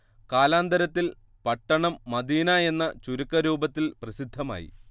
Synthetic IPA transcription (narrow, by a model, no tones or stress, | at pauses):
kaːlaːnd̪ɐɾɐt̪ːil | pɐʈːɐɳɐmːɐd̪iːnɐe̞nːɐt͡ɕuɾukːɐɾuːbɐt̪ːilprɐsid̪ʱːɐma̰ːjḭ